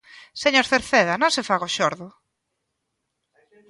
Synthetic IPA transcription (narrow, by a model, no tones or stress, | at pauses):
seɲoɾθeɾθeðɐnõŋsefaɣoʃoɾðʊ